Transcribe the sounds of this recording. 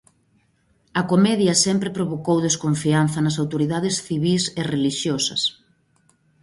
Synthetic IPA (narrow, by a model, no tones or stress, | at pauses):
ɐkomɛðjɐsɛmpɾɪpɾoβokowðeskoɱfianθɐnɐsawt̪oɾiðaðɪsθiβisereliʃjosɐ̰s